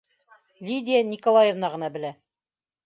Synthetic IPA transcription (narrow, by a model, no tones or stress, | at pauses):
lʲid̪ʲɪjanʲikolˠajevnɑʁɤ̆nɑbɘ̆læ